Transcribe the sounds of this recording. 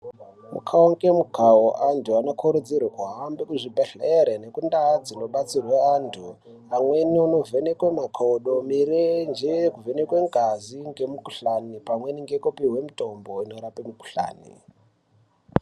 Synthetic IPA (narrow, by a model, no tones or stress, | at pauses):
mṵkʰaoŋɡe̞mukaoʔantʰuanokʰoɾud͡zirwakuɦambekuʐibʱeɬeɾene̞kundad͡zino̞ɓat͡sirweantʰu | amwe̞niuno̞venekwemakʰoɗo̞miɾend͡ʒekuvenekweŋɡʱaziŋɡe̞mukuɬanipamweniŋɡekupiɦwe̞muto̞mbo̞ino̞ɾapemuku̥ɬa̰ːnḭ